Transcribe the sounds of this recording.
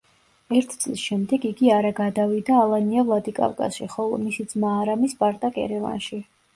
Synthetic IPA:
ɛɾt̪ʰt̪sʼlisʃɛmd̪ɛɡiɡiaɾaɡad̪avid̪aːlˠaniavlˠad̪ikʼa̰vkʼa̰sʃḭχɔlˠɔ̰misid̪zmaːɾamisbaɾt̪ʼakʼɛ̰ɾɛva̰nʃi

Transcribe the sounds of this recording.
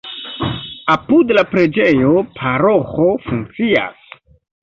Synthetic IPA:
apudlapɾe̞d͡ʒe̞jo̞pʰaɾoxo̞fuŋk̚t͡sia̰s

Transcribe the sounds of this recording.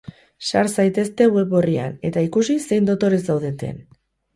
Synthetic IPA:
saɾsajt̪e̞st̪e̞ɣwe̞βo̞ria̰ne̞t̪aikusise̞jnd̪o̞t̪o̞ɾe̞zdawðe̞t̪ḛn

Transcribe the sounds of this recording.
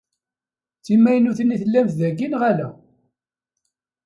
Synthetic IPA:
t͡sːimːæjnuθnːiθəlːæmθðæɡinʁælæ

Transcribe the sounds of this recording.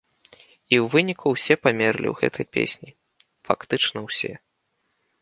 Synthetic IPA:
iwvɨnʲikʰuwsʲɛpamʲɛrlʲḭwɣɛ̰t̪ʰɐjpʲḛsʲnʲi | fakt̪ɨt͡ʂnɐwsʲɛ̰

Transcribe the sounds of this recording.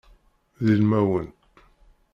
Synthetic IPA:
ðilmæwən

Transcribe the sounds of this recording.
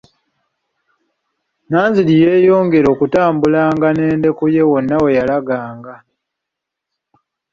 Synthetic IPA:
naːnzilije̞ːjo̞ːŋɡe̞ɾo̞ːkutaːmbulaːŋɡane̞ːnde̞kuje̞wo̞nːawe̞jalaɡaːŋɡa

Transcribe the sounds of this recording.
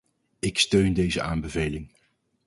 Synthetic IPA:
ɪkstøɥndejzəʔaːmbəvejlɪŋ

